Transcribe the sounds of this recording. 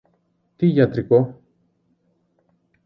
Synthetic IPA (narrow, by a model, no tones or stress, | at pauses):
t̪iʝɐt̪ɾiko